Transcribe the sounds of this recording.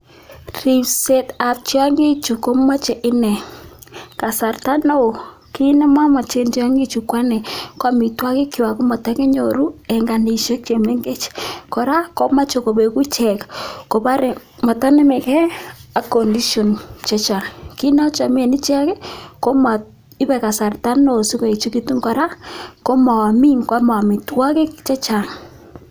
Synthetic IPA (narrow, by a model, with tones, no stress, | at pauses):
ri˨pse˦ta˨p̚t͡ʃja˦ŋi˦t͡ʃu˨ko˦ma˦t͡ʃe˨ʔɪ˦nɛ˨ | ka˨sa˨rta˦no˦o˨ | ki˦nɪ˦ma˦ma˨t͡ʃe˦nta˦ŋɡi˦t͡ʃu˨kwa˦nɛ˨kwa˦mi˨twa˦kɪ˦ki˨wa˨ku˦ma˨tɛ˦kɛ˦ɲo̰˨ɾu˦ɛ˨ŋɡa˨ni˨ʃe˦k̚t͡ʃe˨me˦ŋɡe˦t͡ʃkɔ˨ɾa˦ko˦ma˦t͡ʃo˨ko˨be˨ku˦t͡ʃɛ˨kko˨pa˦ɾe˨ | ma˨ta˦ne˦mɛ˨kɛ˦a˨ko˨ndi˦ʃjɔ˨nt͡ʃɛ˦t͡ʃa˨ki˦na˦t͡ʃa˨m˦e˨ni˦t͡ʃa˦kɛ˦ko˦ma˨ | ɪ˦βɛ˨ka˨sa˨rta˦nːo˨si˦ko˨i˨t͡ʃu˦ki˦tu˦ŋkɔ˨ɾa˦ko˦ma˨wa˨mi˦ŋkwa˦ma˨a˨mi˨twa˦ke˦kt͡ʃɛ˦t͡ʃa˨ŋ